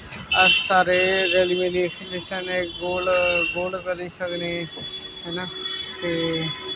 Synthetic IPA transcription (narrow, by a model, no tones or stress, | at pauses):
əsaːɾeɾeːlimẽd̪eːkʰid̪esaneɡoːlɡoːlkəɾisəkneɦɛnak̪e